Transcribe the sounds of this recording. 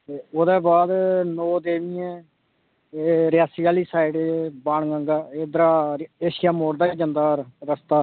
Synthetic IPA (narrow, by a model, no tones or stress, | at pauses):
eːoːd̪eːbaːd̪nɔːd̪eːʋɪːẽː | eɾɪjaːsiːaːliːsaːɪɖebaːɳɡəŋɡaːeːd̪əɾaːeːʃɪjaːmoːɽd̪aːiːd͡ʒənd̪aːɾɾəst̪aː